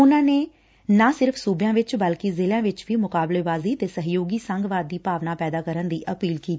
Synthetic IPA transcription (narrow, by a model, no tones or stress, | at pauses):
ʊnãːneː | nãːsɪɾpʰsuːbjãːʋɪt͡ʃbəlkɪzɪljãːʋɪt͡ʃʋiːmʊkaːbleːbaːziːt̪eːsəɦjoːɡiːsəŋɡʋaːd̪ːiːpaːʋnaːpɛːd̪aːkəɾənd̪iːʔəpiːlkiːt̪iː